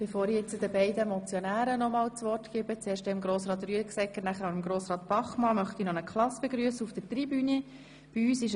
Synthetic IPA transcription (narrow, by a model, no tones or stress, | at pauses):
b̥efoːɾit͡sud̪əbɛɪdəmɔt͡sjɔnæːɾənɔmɑːlt͡sʋɔrtɡ̥ɪbət͡seːɾʃtɛɪmɡɾoːsrɑːt̪̬ryəksɛkːəɾnæχəɾɑəmɡɾoːsɾɑːt̪b̥ɑχmɑmœχt̪inɔnəkχlɑsb̥eɡɾyəsəufd̥ətribyni | b̥iyːsɪʃ